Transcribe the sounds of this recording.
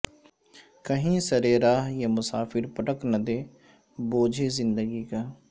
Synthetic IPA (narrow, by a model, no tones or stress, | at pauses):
kəɦĩːsəɾeːɾaːɦjaːmʊsaːpʰɪɾpəʈəknəd̪eː | boːd͡ʒʱeːzɪnd̪əɡiːkaː